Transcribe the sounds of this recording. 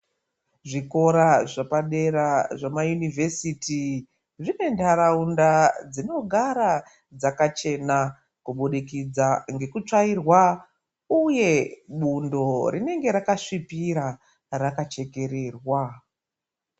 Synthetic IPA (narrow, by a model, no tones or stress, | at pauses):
ʐiko̞ɾaʐapaɗe̞ɾaʐamajunivʱesiti | ʐine̞ndaɾaundad͡zino̞ɡʱaɾa | d͡zakat͡ʃe̞na | kuɓuɗikid͡zaŋɡe̞kut͡ʂairwa | uje̞ɓundo̞rine̞ŋɡe̞ɾakaʂipiɾa | rakat͡ʃe̞ke̞ɾe̞ːrwa